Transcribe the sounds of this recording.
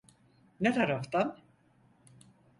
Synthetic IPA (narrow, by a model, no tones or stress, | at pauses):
nɛθaɾɔft̪an